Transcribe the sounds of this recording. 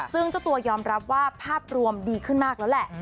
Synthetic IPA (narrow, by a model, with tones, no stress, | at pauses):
sɯ˥˩ŋt͡ɕa˨˩t̪u˧ɐjɔː˧mɾa˦˥p̚waː˥˩pʰaː˥˩p̚ɾu˧əmdiː˧kʰɯ˥˩nmaː˥˩k̚lɛː˦˥wlɛ˨˩ʔ